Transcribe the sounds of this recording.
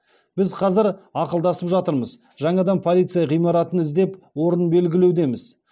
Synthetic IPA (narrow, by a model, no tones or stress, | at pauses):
b̥ɪzqʰɑzɪɾɑqəlˠd̪ɑsəpʒɑt̪əɾməz | ʒɑɴɑd̪ɑnpʰo̞lʲˠijt̪sɨjɑʁijmɑɾɑt̪ənɪzd̪e̞pwo̞ɾənbe̞lɡʲɪle̞wd̪e̞mɪz̥